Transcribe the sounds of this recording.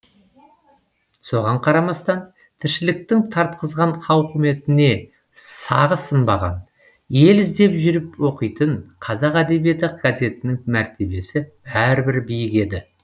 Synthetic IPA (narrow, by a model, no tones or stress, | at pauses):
so̞ʁɑɴqʰɑɾɑmɑst̪ɑn | t̪ʰɪɾʃɪlɪk̚t̪ɪŋt̪ʰɑɾt̪qəzʁɑnqʰɑwqʰʏme̞t̪ɪne̞ | sɑʁəsənbɑ̰ʁɑ̰n | je̞lɪzd̪e̞pʒʏɾɪpwo̞qəjt̪əɴqʰɑzɑqæd̪e̞bije̞t̪ɪɡ̥aze̞t̪ɪnɪŋmæɾt̪e̞be̞sɪbæɾbɪɾbijɪke̞d̪ɪ